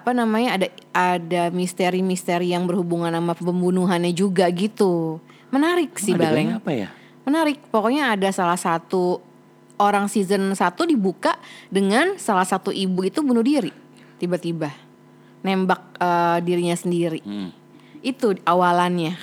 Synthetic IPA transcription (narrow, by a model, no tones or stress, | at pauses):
apanamaɲaːdaadamist̪eɾimist̪eɾijaŋbərhubuŋanːamapəmbunuɦanɲad͡ʒuɡaɡit̪umənaɾɪksɪhbalɛj | mənaɾɪk̚pokoɲaːdasalahsat̪u | oɾaŋsizənsat̪udibukaʔdəŋansalahsat̪uʔibuit̪ubunuhdiɾi | t̪ibat̪iba | nembak̚ədiɾiɲasəndiɾi | it̪uawalanɲa